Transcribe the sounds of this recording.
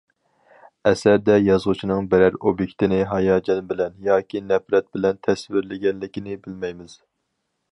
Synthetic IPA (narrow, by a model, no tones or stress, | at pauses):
ɛsæɾd̪ɛjɑzʁʊt͡ʃʰinɨŋbæɾæɾobjekʲt̪ʰɪnɪɦɑjɑːd͡ʒɛnbɪlɛnjɑːkʲʰinɛfɾɛt̪̚bɪlɛnt̪ʰɛsvɪɾlɪɡʲɛnlɪkʲinɪbɪlmɛjmɪz̥